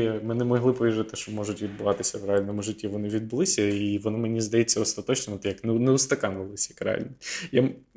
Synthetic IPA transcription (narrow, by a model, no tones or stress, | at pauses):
mɛnɪmɔɦlˠɪpɔʋʲiʒɪt̪ɪʃt͡ʃɔmɔʒʊtʲʋʲid̪̚bʊʋɑt̪ɪsʲɐʋɾealʲnɔmʊʒɪtʲːiʋɔnɪʋʲid̪̚bʊlˠɪsʲɐiʋɔnɔmenʲizd̪ɐjɛtt͡sʲːɐɔst̪ɐt̪ɔt͡ʃnɛnɔt̪ɛjɐknɛnɛʊst̪ɐkɑnʋɪlˠɪsʲjɐkɾḛa̰lʲnʲija